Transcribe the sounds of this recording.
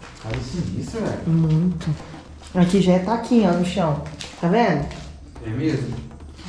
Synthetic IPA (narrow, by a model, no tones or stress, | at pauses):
kalisiisɐɛmũj̃t̪ʊ | akiʒaɛt̪akʰĩɲnʊʃɐ̃w̃t̪avɛlʊ | ɛmezmʊ